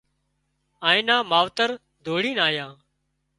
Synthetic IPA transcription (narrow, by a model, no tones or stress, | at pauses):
aːĩːnãːmaːʋt̪əɾ | d̪ʱoːɽiːnaːjãː